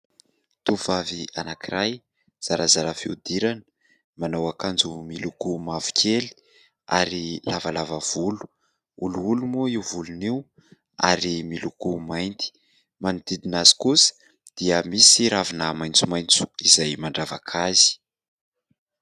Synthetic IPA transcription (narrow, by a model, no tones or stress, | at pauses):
t̪uv̥avia̰nakiɾaj | z̥aɾazaɾafiud̪iɾanə | manawakand͡zumilukumavu̥kʲʰeli̥ | a̰ɾilavalavav̥ulu̥ | uluulumoiwvuluniw | a̰ɾimilukumajnt̪i̥ | manud̪̥id̪inazi̥kusə̥ | d̪̥iəmisiɾavinamajnt͡sumaj̃nt͡su̥izajmaɳɖ͡ʐava̰kʰazi̥